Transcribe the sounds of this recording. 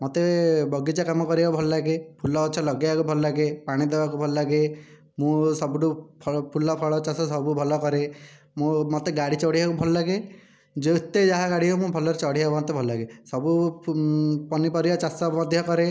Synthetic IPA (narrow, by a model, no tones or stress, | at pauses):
mɔt̪ebɔɡid͡ʒakamɔkɔɾibabʱɔlɔlaɡepʰulɔːt͡ʃʰɔlɔɡeakubʱɔlɔlaɡepaɽ̃id̪ebakubʱɔlɔlaɡe | mũsɔbuʈupʰpʰulɔpʰɔɭɔt͡ʃasɔsɔbubʱɔlɔkɔɾe | mũmɔt̪eɡaɽit͡ʃɔɽiɦakubʱɔlɔlaɡe | d͡ʒeut̪ːed͡ʒaɦaɡaɽiomũbʱɔlɔɾet͡ʃɔɽiɦabɔnt̪ebʱɔlɔlaɡesɔbu | pɔnipɔɾibat͡ʃasɔmɔd̪ʱjɔkɔɾe